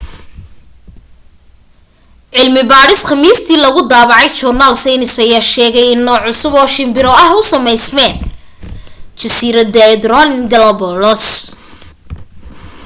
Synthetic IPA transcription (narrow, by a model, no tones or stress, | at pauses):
ʕɪlmɪbaːɾɪsχɑmiːst̪ʰiːlɐɣʊd̪aːβɑʕɑjt͡ʃɔrnaːlsɛjnɪsɐjaːʃɛːɣɛjɪnːɔːʕʊsʊβɔːʃɪmbɪɾɔɐɦʊsɐmɛjsmɛːn | t͡ʃɐsiːɾɐd̪ɛd̪ɾɔnɡ̪ɐlɐbɔlɔs